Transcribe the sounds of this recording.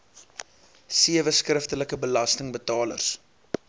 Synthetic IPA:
siəvəskrəftələkəbəlɐstəŋbətɑːlə̰rs

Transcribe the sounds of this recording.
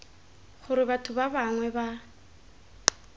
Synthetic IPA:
χʊɾɪbatʰʊbabaŋwɛba

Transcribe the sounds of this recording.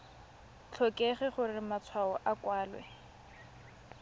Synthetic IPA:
t͡ɬʰɔkʼeχɛχʊrɪmat͡sʰwaɔʔakwaːlwɛ̰

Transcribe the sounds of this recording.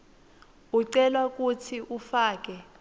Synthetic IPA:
uǀɛlwak̬ʼutʰiʔufaːk̬ʼɛ

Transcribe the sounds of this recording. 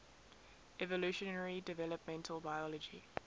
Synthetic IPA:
ɛvəluʃənəɹidɪvɛləp̚mɛ̃ntʰəlˠbaɪɔlɔd͡ʒḭ

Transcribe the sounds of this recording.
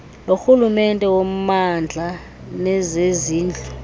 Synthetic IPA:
loxulumɛntʼɛwom̩mand͡ɮʱa | nɛzeziːnd͡ɮʱɔ

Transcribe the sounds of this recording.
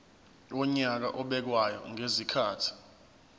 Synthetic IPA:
ɔɲak̬a̰ʔɔɓɛk̬wajɔ̰ŋezikʰaːtʰi̥

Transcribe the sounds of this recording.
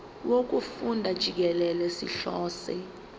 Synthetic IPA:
wok̬ufundʱad̥ʒ̥ʱik̬ɛlɛlɛsiɬɔːsɛ

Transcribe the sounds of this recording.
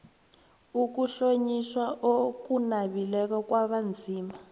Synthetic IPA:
uk̬uɬoɲiswaʔokunaβilɛkɔkwaβand͡zʱiːma

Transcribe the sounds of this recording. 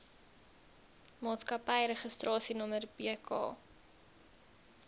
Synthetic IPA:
mɑːtskɐpəjɾəχəstrɑːsinəmərbiəkʰɑ̰ː

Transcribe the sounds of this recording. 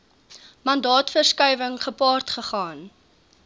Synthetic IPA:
mɐndɑːtfərskœjvəŋχəpɑːrtχəχɑːn

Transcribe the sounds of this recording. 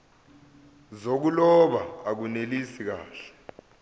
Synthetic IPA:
zok̬ulɔɓaak̬unelisik̬aːɬɛ̥

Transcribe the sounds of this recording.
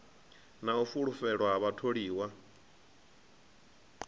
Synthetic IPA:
naufuɺufɛɺwaɦaβatʰoɺiːwa

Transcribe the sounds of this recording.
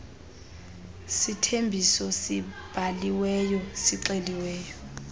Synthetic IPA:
sitʰembʱisɔsib̥ʱaliwɛjɔsiǀeliwɛːjɔ

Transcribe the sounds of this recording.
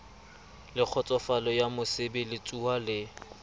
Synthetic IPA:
lɪk͡xʰɔt͡sʼɔfalɔjamʊsɪbɪlɪt͡sʼuwalɪ

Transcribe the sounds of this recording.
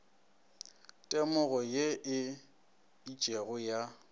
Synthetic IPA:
tʼɛmʊɣɔjeʔɪ | it͡ʃʼeɣʊja

